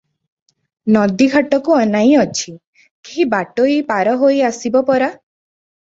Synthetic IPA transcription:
nɔd̪iɡʱaʈɔkuɔnaj̃ɔt͡ʃʰi | kiɦibaʈoipaɾɔɦojasibɔpɔɾa

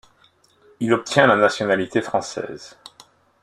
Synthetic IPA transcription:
ilɔp̚t̪ʰjɛ̃lanasjɔnalit̪efχɑ̃sɛ̰ːz

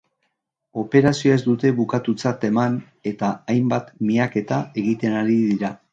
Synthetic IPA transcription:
o̞pe̞ɾasioezd̪ut̪e̞βukat̪ut͡sat̪e̞man | e̞t̪aajmbat̪miake̞t̪ae̞ɣit̪e̞naɾiðiɾa

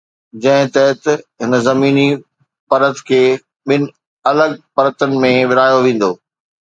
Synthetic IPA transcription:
d͡ʑɐ̃ɦɪ̃t̪ɛːɪt̪ɦɪnzɐmiːni | pɐɾət̪kʰeː | ɓɪnɪ̆ | ɐləɡ̚pɐɾət̪ənɪ̆mẽʋɪɾaːjoʋẽːn̆d̪oː

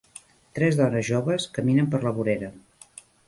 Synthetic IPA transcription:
t̪ɾɛzðɔnəzʒoβəskəminəmpəɾləβuɾeɾə

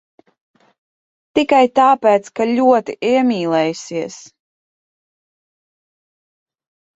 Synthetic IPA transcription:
t̪ikajt̪aːpɛːt̪skalʲuɔt̪iʔɛɛmʲiːlˠɛjsiɛs

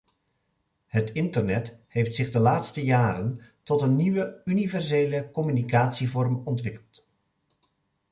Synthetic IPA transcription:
ɦətɪntərnɛthejftsɪχdəlaːtstəjaːɾəntɔtənːiʋəynivɛrzejləkɔmynikaːtsivɔrmɔntʋɪkəlˠt

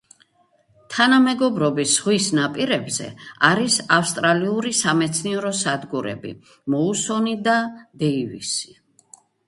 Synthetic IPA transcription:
t̪ʰanamɛɡɔbɾɔbisʁwisnapʼiɾɛbzɛ̰aɾisafst̪ʼɾaliuɾisamɛt̪sʰniɛɾɔsad̪ɡuɾɛ̰bḭ | mɔusɔnid̪ad̪ɛivḭsi̥

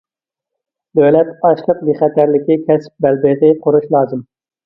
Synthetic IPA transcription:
d̪øwlɛt̪ɑʃqˠəq̚biχɛt̪ʰæɾlɪkʲikʲʰɛsp̚bɛlbɪʁɪqʰʊɾuʃlˠɑːzɨm

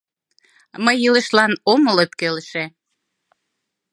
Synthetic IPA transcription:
məjilə̆ʃlɑnomələt̪̚keləʃe

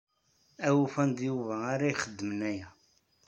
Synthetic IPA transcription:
æwufænd̪juvæaɾajχəd̪ːəmənæjæ

